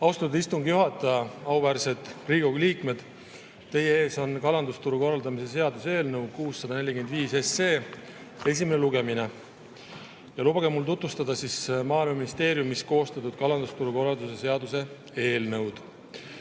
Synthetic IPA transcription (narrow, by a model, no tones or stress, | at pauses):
ɑwst̪ɑt̪ud̪ist̪uŋɡ̥juɦɑt̪ːˑɑjɑɑwvæːɾse̞d̪̥riːɡo̞ɡliːkme̞d̪̥ | t̪ːe̞je̞e̞ːso̞nkɑlɑnd̪ust̪uɾuko̞rːɑld̪ɑmise̞s̬e̞ɑd̪use̞ːlnɤwkuːsːɑd̪ɑne̞lʲːikemed̪viːsese̞ː | e̞s̬ʲimeneluɡe̞mine̞ | jɑlubɑɡ̥emːult̪ut̪vust̪ɑd̪ɑsismɑːilmɑminist̪e̞ːɾjumːisko̞ːst̪ɑt̪ːud̪̥̚kɑlɑnd̪ust̪uɾuko̞rɑld̪use̞se̞ɑd̪use̞ | e̞ːlnɤwd̪̥